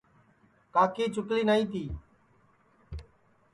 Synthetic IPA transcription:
kaːkiːt͡ʃʊkliːnaːiːt̪iː

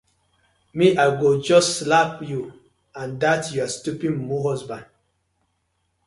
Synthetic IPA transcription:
miʔaɪɡod͡ʒɔsslapju | ãndatjuastupĩŋmuɦɔsbãn

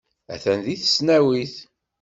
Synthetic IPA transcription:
æ̰θænðiθə̥snæwiθ

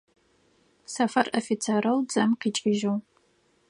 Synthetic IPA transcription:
sɐfɐrofit͡sʰeɾɐwd͡zɐmqiːt͡ʃʼɪʒɐw

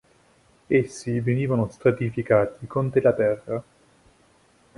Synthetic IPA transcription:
esːiveniːvanost̪ɾat̪ifikaːt̪ikont̪ɾelat̪ɛrːa

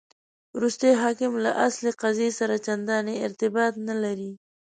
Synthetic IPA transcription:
wɾust̪ajɦɑkɪmlaʔasleqazesaɾat͡ʃand̪ɑneɪɾt̪ɪbɑt̪nalaɾi

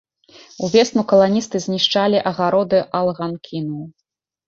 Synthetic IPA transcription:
uvʲɛsnukɐlˠanʲist̪ɨzʲnʲiʂt͡ʂalʲiʔɐɣaɾɔd̪ɨʔalˠɣankʲʰinuw

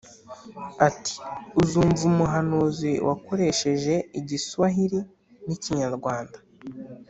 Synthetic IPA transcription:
ati̥uzuːɱvumuɦanuːziwʔa̰ko̞ɾe̞ʃe̞ʒe̞iɟisuβaɦiɾi | niciɲaɾɡwaːndḁ

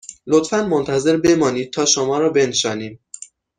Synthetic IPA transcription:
lot̪fænmont̪ʰæze̞ɾbe̞mɒːniːd̪̚t̪ʰɒːʃomɒːɾɒːbe̞nʃɒːniːm

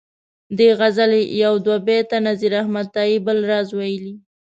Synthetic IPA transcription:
d̪eɣazalejawd̪wabet̪anaziɾahmad̪̚t̪ɑibəlɾɑzwajəli

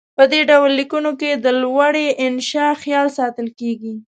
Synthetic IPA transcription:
pəd̪eɖawlːikunoked̪əlwaɽeʔɪnʃɑxjɑlsɑt̪əlkeɡi

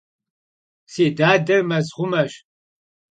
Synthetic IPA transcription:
seːdaːdɐrmɐzʁʷʊmɐʃ

